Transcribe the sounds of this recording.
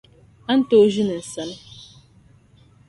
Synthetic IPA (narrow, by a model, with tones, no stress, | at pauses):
a˦n̩˦to˦ʒi˦nɨ˨n̩˨sa˨n˦